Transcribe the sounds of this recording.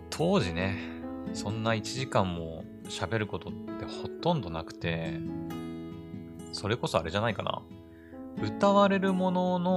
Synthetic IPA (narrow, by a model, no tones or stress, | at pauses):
t̪ʰo̞ːʑine̞sõ̞nːait͡ɕiʑikãmːo̞ | ɕabe̞ɾɯ̟ko̞t̪o̞t̪ːe̞ho̞t̪õ̞nd̪o̞nakɯ̟̥t̪e̞ | so̞ɾe̞ko̞so̞aɾe̞ʑanaika̰na̰ | ɯ̟t̪aβaɾe̞ɾɯ̟mo̞no̞no